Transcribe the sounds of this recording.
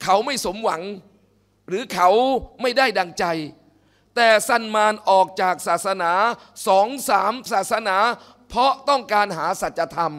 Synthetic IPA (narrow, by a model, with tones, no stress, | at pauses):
kʰa˦˥wma˥˩jso˩˦mwa˩˦ŋ | ɾɯː˨˩˦kʰa˦wma˥˩jdaː˥˩jda˧ŋt͡ɕa˧j | t̪ɛː˨˩sa˥˩nmaː˧nʔɔː˨˩k̚t͡ɕaː˨˩k̚saː˨˩t̪̚sa˧naː˩˦ | sɔː˩˦ŋsaː˩˦msaː˨˩t̪̚sa˧naː˩˦ | pʰɔ˦˥t̪ɔ˥˩ŋkaː˧nɦaː˩˦sa˨˩t̪̚t͡ɕːa˧t̪ʰa˧m